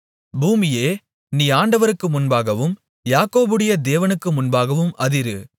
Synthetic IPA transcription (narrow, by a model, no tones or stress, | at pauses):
buːmɪjeː | niːaːɳɖɐʋɐɾɯkːɯmʊnbaːɣɐʋɯm | jaːkoːbɯɽɪjɐd̪eːʋɐnɯkːɯmʊnbaːɣɐʋɯmʔɐðɪɾɯ